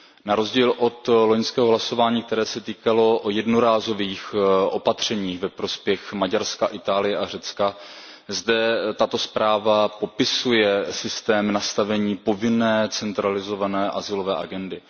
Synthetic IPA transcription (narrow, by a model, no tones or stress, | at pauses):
naɾo̞zɟiːlʔo̞t̪loɲskɛːɦo̞ɦlaso̞vaːɲiːkt̪ɛɾɛːsɛt̪iːkalo̞ʔojɛdnoɾaːzo̞viːxʔo̞pat̪r̝̥ɛɲiːɣvɛpɾo̞spjɛxmaɟaɾskaʔɪt̪aːlɪjɛʔarɛt͡ska | zdɛt̪at̪o̞spɾaːvapo̞pɪsujɛsɪst̪ɛːmnast̪avɛɲiːpo̞vɪnɛːt͡sɛnt̪ɾalɪzo̞vanɛːʔazɪlo̞vɛːʔa̰ɡɛndɪ